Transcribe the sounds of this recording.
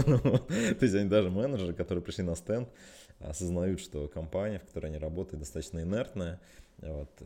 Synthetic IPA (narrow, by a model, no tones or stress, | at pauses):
t̪ːo̞ɪsʲɐnʲid̪aʐɨmɛnəʐɨɾɨkɐt̪o̞ɾɨjəpɾɪʂlʲinɐst̪ɛnt̪ | ɐ̰səznɐjut̪ʂt̪o̞kɐmpanʲɪjəfkɐ̥t̪o̞ɾəɨjɐnʲiɾɐbo̞t̪əjɪt̪d̪ɐst̪at̪əɕnəɪnɛrt̪nəjə | vo̞t̪